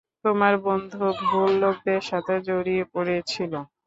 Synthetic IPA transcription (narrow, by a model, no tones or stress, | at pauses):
t̪omaɾbond̪ʱubʱulːok̚d̪eɾʃat̪ʰed͡ʑoɾiepoɾet͡ɕʰilo